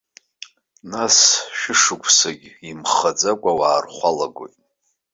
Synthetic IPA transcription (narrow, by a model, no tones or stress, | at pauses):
nasʃᶣɪʂɨkʷʰʼsaɡʲimχad͡zakʷʼawaːrχʷalaɡo̰jtʼ